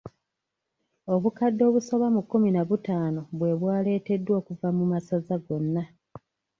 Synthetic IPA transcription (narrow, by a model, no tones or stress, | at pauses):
o̞βukadːo̞ːβuso̞βamukːuminaβutaːno̞βwe̞ːβwaːle̞ːte̞dːwo̞ːkuvamumasazaɡo̞nːa